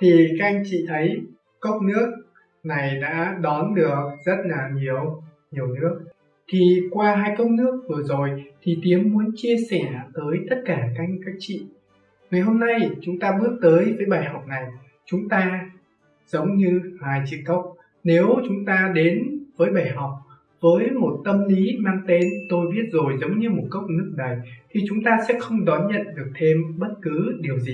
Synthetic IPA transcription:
t̪ʰi˨˩ka˦˥a˧jŋ̟t͡ɕḭ˧˨t̪ʰə˨˦j | kə˦˥k͡p̚nɨ˦˥ək̚ | na˨˩jɗa̰ː˧˥ɗɔ˨˦nɗɨ˨˩ək̚zə˦˥t̚laː˨˩ɲi˨˩əw | ɲi˨˩əwnɨ˦˥ək̚ | t̪ʰi˨˩kwaː˧ɦaː˧jkə˦˥k͡p̚nɨ˦˥ək̚vɨ˨˩əzo˨˩jt̪ʰi˨˩t̪i˨˦əmːu˨˦ənt͡ɕi˧əsɛ˧˩t̪əː˨˦jt̪ə˦˥t̚kaː˧˩ka˧jŋ̟kaː˦˥k̚t͡ɕḭ˧˨ | ŋa˨˩jɦo˧mna˧jt͡ɕʊ˨˦ŋ͡mt̪aː˧ɓɨ˦˥ək̚t̪əː˨˦jvəː˨˦jɓaː˨˩jha˨˩wk͡p̚na˨˩j | t͡ɕʊ˨˦ŋ͡mt̪aː˧ | z̥ə˨˦wŋ͡mɲɨ˧laː˨˩jt͡ɕḭ˧˨kə˦˥wk͡p̚ | ne˨˦wt͡ɕʊ˨˦ŋ͡mt̪aː˧ɗe˨˦nvəː˨˦jɓaː˨˩jɦɔ˨˩wk͡p̚ | vəː˨˦jmo˨˩t̚t̪ə˧mli˨˦ma˧ŋt̪e˧nt̪o˧jɓi˦˥ət̚zo˨˩jzə˨˦wŋ͡mɲɨ˧mo˨˩t̚kə˦˥wk͡p̚nɨ˦˥ək̚ɗə˨˩jt̪ʰi˨˩t͡ɕʊ˨˦ŋ͡mt̪aː˧sɛ̰˧˥xə˧wŋ͡mɗɔ˨˦nɲə̰˧˨nɗɨ˨˩ək̚t̪ʰe˧mɓə˦˥t̚kɨ˨˦ɗi˨˩əwzi˨˩

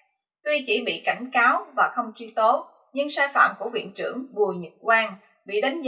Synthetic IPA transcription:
t̪wi˧t͡ɕi˧˩ɓḭ˧˨ka˧˩jŋ̟kaː˨˦wvaː˨˩xə˧wŋ͡mt͡ɕwi˧t̪o˨˦ | ɲɨ˧ŋsaː˧jfa̰ː˧˨mku˧˩əvḭ˧˨ənt͡ɕɨ˧˩əŋɓu˨˩əɲɨ˨˩t̚kwaː˧ŋ | ɓḭ˧˨ɗa˨˦jŋ̟z

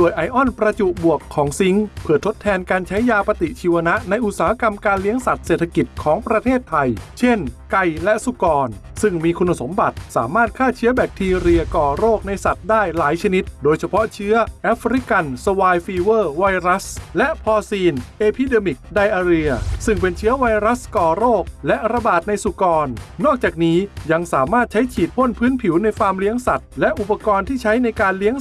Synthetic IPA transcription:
du˨˩əjʔa˧jʔɔ˥˩npɾa˧t͡ɕu˨˩ʔbu˨˩əkʰːɔː˩˦ŋsi˦˥ŋpʰɯː˥˩ɐt̪ʰo˦˥t̪ʰːɛː˧nkaː˧nt͡ɕʰa˦˥jːaː˧pa˧t̪i˨˩ʔt͡ɕʰiː˧wa˧na˦˥ʔna˧jʔu˨˩saː˦ha˦˧˥ka˧mkaː˧nli˦˥əŋsa˨˩t̪̚seː˨˩t̪ʰa˧ki˨˩t̪̚kʰɔː˩˦ŋpɾa˧t̪ʰeː˥˩t̪ʰːa˧jt͡ɕʰe˥˩nka˧jlɛ˦˥ʔsu˧kɔː˧n | sɯ˥˩ŋmiː˧kʰu˧nːa˧so˩˦mba˨˩t̪̚saː˩˦maː˥˩t̪̚kʰaː˥˩t͡ɕʰɯ˦˥ɐbɛ˨˩k̚t̪ʰiː˧ɾi˧ɐkɔː˨˩ɾoː˥˩k̚na˧jsa˨˩t̪̚daː˥˩jlaː˩˦jt͡ɕʰa˧ni˦˥t̪̚doː˧jt͡ɕʰa˧pʰɔ˦˥ʔt͡ɕʰɯ˦˥ɐʔɛː˦˥fʰɾi˦˥ka˧nso˧waː˧jfiː˧wɤː˥˩wa˧jɾa˦˥slɛ˦˥ʔpʰɔː˧siː˧nʔeː˧pʰiː˧˩deː˧mi˨˩k̚da˧jʔaː˧ɾi˧ɐsɯ˥˩ŋpe˧nt͡ɕʰɯ˦˥ɐwa˧jɾa˦˥skɔː˨˩ɾoː˥˩k̚lɛ˦˥ʔɾa˧baː˨˩t̪̚na˧jsu˨˩kɔː˧nːɔː˥˩k̚t͡ɕaː˨˩k̚niː˦˥ja˧ŋsaː˩˦maː˥˩t̪̚t͡ɕʰa˦˥jt͡ɕʰiː˨˩t̪̚pʰo˥˩˨npʰɯː˦˥npʰi˩˦wna˧jfaː˧mli˦˥əŋsa˨˩t̪̚lɛ˦˥ʔu˨˩pːa˧kɔː˧nt̪ʰiː˥˩t͡ɕʰa˦˥jna˧jkaː˧nli˦˥əŋ

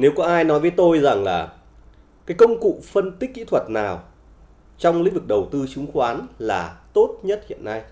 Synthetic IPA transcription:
ne˨˦wkɔ˨˦ʔaː˧jnɔ˨˦jvəː˨˦jt̪o˧jza˨˩ŋlaː˨˩ | kaː˨˦jkə˧wŋ͡mkṵ˧˨fə˧nt̪i˦˥k̟̚kḭ˧˥t̪ʰwə˨˩t̚naː˨˩w | t͡ɕɔ˧wŋ͡mlḭ̟˧˥vɨ˨˩k̚ɗə˨˩wt̪ɨ˧t͡ɕɨ˨˦ŋ͡mxwaː˨˦nlaː˨˩t̪o˦˥t̚ɲə˦˥t̚hḭ˧˨ənːa˧j

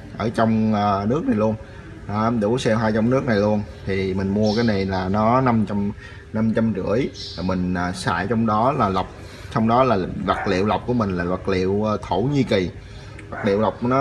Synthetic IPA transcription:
ʔəː˧˩t͡ɕɔ˧wŋ͡məː˨˩nɨ˦˥k̚na˨˩jlu˧ənː˨˧˦ | mɗu˧˩sɛ˧wɦaː˧jt͡ɕɔ˧wŋ͡mnɨ˦˥ək̚na˨˩jlu˧ənt̪ʰi˨˩mï˨˩ŋ̟mu˧əkaː˨˦jna˨˩jlaː˨˩nɔ˨˦na˧mt͡ɕa˧m | na˧mt͡ɕa˧mt͡ɕɨ̰˧˩əjlaː˨˩mï˨˩ŋ̟aː˨˩sa̰ː˧˨jt͡ɕɔ˧wŋ͡mɗɔ˨˦laː˨˩la˨˩wk͡p̚ | sɔ˧wŋ͡mɗɔ˨˦laː˨˩va˨˩k̚lḭ˧˨əwlwk͡p̚ku˧˩əmï˨˩ŋ̟laː˨˩va˨˩k̚lḭ˧˨əwt̪ʰo˧˩ɲi˧ki˨˩ | va˨˩k̚lḭ˧˨wla˨˩wk͡p̚nɔ˨˦

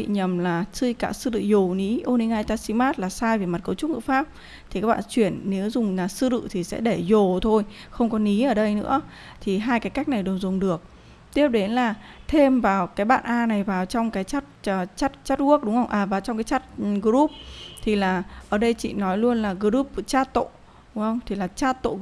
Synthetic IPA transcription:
ḭ˧˨ɲə˨˩mlaː˨˩sɨ˧jka̰ː˧˩sɨ˧lɨ̰˧˨zo˨˩ni˨˦ʔo˧ni˧ŋʔaː˧jt̪aː˧si˧maː˦˥t̚laː˨˩saː˧jve˨˩ma˨˩t̚kə˨˦wt͡ɕʊ˦˥k̚ŋɨ̰˧˥faː˦˥p̚ | t̪ʰi˨˩kaː˦˥ɓa̰ː˧˨t͡ɕwi˧˩ənːe˨˦wzʊ˨˩ŋ͡mlaː˨˩sɨ˧lɨ̰˧˨t̪ʰi˨˩sɛ̰˧˥ɗe˧˩zo˨˩t̪ʰo˧jxə˧wŋ͡mkɔ˨˦ni˨˦ʔəː˧˩ɗə˧jnɨ̰˧˥ə | t̪ʰi˨˩ɦaː˧jkaː˨˦jka˦˥jk̚na˨˩jɗɨ˨˩əwzʊ˨˩ŋ͡mɗɨ˨˩ək̚ | t̪i˦˥əp̚ɗe˨˦nlaː˨˩ | t̪ʰe˧mvaː˨˩wkaː˨˦jɓa̰ː˧˨nʔaː˧na˨˩jvaː˨˩wt͡ɕɔ˧wŋ͡mkaː˨˦jt͡ɕa˦˥t̚ːt͡ɕa˦˥t̚t͡ɕa˦˥t̚ku˦˥ək̚ɗʊ˨˦ŋ͡mhə˧wŋ͡mʔaː˨˩vaː˨˩wt͡ɕɔ˧wŋ͡mkaː˨˦jt͡ɕa˦˥t̚ɣɨ˧ɾu˦˥p̚t̪ʰi˨˩laː˨˩ʔəː˧˩ɗə˧jt͡ɕḭ˧˨nɔ˨˦jlu˧ənlaː˨˩ɣɨ˧ɾu˦˥p̚t͡ɕaː˦˥t̪o̰˧˨ | ɗʊ˨˦ŋ͡mhə˧wŋ͡mt̪ʰi˨˩laː˨˩t͡ɕaː˦˥t̪o̰˧˨

